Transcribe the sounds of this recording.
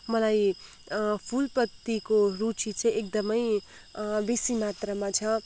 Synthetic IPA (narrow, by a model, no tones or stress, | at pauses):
mʌlaj | pʰulpʌt̪ːikoɾut͡sit͡sʰʌekd̪ʌmʌj | besimat̪rʌmat͡sʰʌ